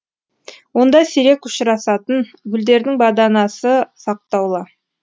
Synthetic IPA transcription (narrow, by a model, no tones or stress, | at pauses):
wo̞nd̪ɑseɾe̞kʊ̥ʃɪɾɑsɑt̪ənɡʲʏld̪e̞ɾd̪ɪŋbɑd̪ɑnɑsəsɑq̚t̪ɑwlˠɑ